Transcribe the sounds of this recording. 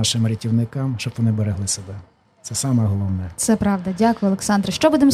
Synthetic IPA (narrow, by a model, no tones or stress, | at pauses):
ɑʃɪmɾʲitʲiwnɪkɑmʃt͡ʃɔb̥ʋɔnɪbeɾeɦlˠɪsebɛ | t̪sɛsɑmɛɦɔlˠɔwnɛt̪sɛpɾɑʋd̪ɐdʲakʊjʊɔlˠeksɑnd̪ɾʃt͡ʃɔbud̪em